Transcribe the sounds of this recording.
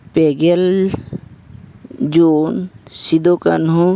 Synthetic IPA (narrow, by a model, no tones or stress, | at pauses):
peɡel | d͡ʒoːnsid̪okə̰nɦũ